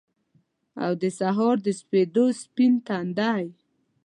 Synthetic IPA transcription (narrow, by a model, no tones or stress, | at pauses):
a̰wd̪əsaɦɑɾd̪əsped̪ospint̪and̪ɑj